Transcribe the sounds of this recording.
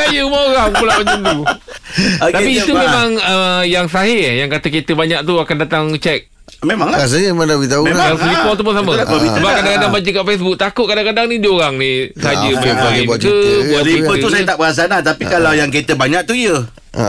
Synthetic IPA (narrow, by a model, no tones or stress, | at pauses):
ajəumawɣaupulaʔmaɲd͡ʒand̪u | t̪apiːt̪umẽmãŋəjaŋsaɦɪjaŋkat̪əket̪əbaɲaʔ̚t̪uakandat̪aŋt͡ʃɛk̚ | memãŋlaas̬əɲəmemadabəɡit̪aunaaflipɔt̪upʊnsaməsbəbisəbakadaŋkadaŋbad͡ʒəkaʔfes̬buk̚t̪akʊt̪̚kadaŋkadaŋnidioɾaŋnisəad͡ʒəmabaɡiəbualipəussajət̪aʔbəas̬anat̪apikalawjaŋket̪əbaɲak̚t̪uiə̰